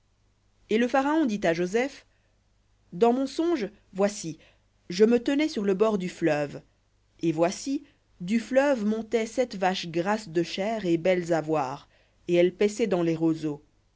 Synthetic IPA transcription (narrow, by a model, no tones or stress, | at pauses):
eləfaʁaɔ̃d̪it̪aʒozɛf | d̪ɑ̃mɔ̃sɔ̃ʒ | vwasi | ʒəmət̪ənɛsyʁləbɔʁd̪yflœv | evwasi | d̪yflœvmɔ̃t̪ɛsɛt̪vaʃɡʁasd̪əʃɛːʁebɛlzavwaːʁ | eɛlpɛsɛd̪ɑ̃lɛʁozo